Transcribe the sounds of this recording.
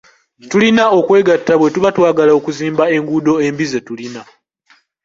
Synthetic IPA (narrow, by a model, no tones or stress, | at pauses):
tulinao̞kwe̞ːɡatːaβwe̞tuβatwaːɡalaokuziːmbae̞ŋɡuːdo̞e̞mbize̞tulina